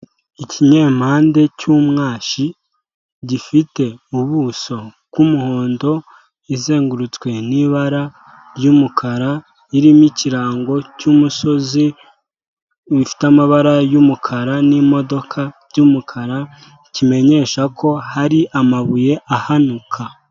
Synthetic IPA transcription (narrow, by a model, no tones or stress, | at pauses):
iciɲe̞ːm̥haːnde̞cumŋaːʃi | ɟifite̞uβuso̞ | kumuho̞ːndo̞ | ize̞ːŋɡuɾut͡skwe̞niβaɾa | ɾjumukʰaɾa | iɾimiciɾaːŋɡo̞cumuso̞zi | βifi̥tamaβaɾajumukʰaɾanimo̞do̞kʰa | ɟumukʰaɾa | cime̞ɲe̞ʃakʰo̞haɾiʔamaβuje̞ʔahanukʰa